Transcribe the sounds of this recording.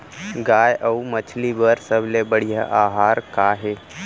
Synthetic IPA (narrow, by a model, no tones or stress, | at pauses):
ɡaːjʔɐumət͡ʃʰlibəɾsəblebəɽ̤ija̰ʔaːɦaːɾkaːɦeː